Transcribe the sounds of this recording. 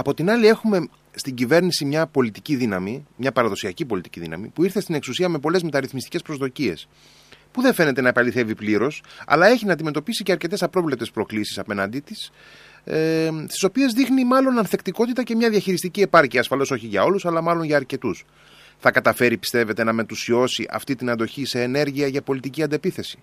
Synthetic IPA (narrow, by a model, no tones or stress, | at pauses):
ɐpo̞t̪inɐlie̞xume̞ | st̪iɲɟive̞ɾnisimɲɐpo̞lit̪iciðinɐmimɲɐpɐɾɐðo̞siɐcipo̞lit̪i̥cḭðḭnɐ̰mḭpuiɾθe̞st̪ine̞ksusiɐme̞po̞le̞zme̞t̪ɐɾiθmist̪i̥ce̞spɾo̞zðo̞cie̞̰s | puðe̞fe̞ne̞t̪e̞nɐepɐliθe̞vipliɾo̞sɐ̰lɐe̞çinɐːnd̪ime̞t̪o̞pisiceɐɾce̞t̪esɐpɾovlep̚t̪e̞spɾo̞klisi̥sɐpe̞nɐnd̪it̪is | st̪i̥so̞pie̞zðixnimɐlo̞nɐnθe̞kt̪iko̞t̪it̪ɐce̞mɲɐðjɐçiɾist̪icie̞pɐɾciɐsfɐlo̞so̞çiʝɐo̞lusɐlɐmɐlo̞nʝɐːɾce̞t̪us | θɐkɐt̪ɐfe̞ɾipi̥st̪e̞ve̞t̪e̞nɐme̞t̪usio̞siʔɐ̰ft̪it̪inɐnd̪o̞çise̞ːne̞ɾʝiɐʝɐpo̞lit̪iciɐnd̪epiθe̞si̥